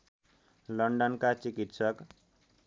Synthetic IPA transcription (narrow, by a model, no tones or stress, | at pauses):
lʌɳɖʌnkat͡sikit̪sʌk